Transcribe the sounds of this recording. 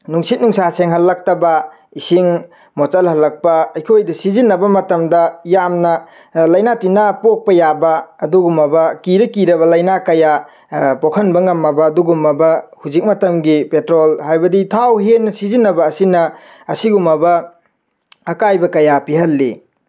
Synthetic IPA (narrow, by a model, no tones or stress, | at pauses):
nuŋsit̚nuŋsaseŋɦɐlːɐk̚tɐbɐ | isiŋ | mot͡ʃɐlhɐlːɐk̚pɐɐjkʰojdɐsizinːɐbɐmɐtɐmdɐjamnɐ | lɐjnatinapok̚pɐjabɐːduɡumɐbɐkiɾɐkiɾɐβɐlɐjnakɐja | pokʰɐnbɐŋɐmːɐbɐːduɡumɐbɐhuzik̚mɐtɐmɡipetɾolhajbɐditʰawɦenːɐsizinːɐbɐːsinɐː | siɡumɐbɐ | ɐkajbɐkɐjapiɦɐlːḭ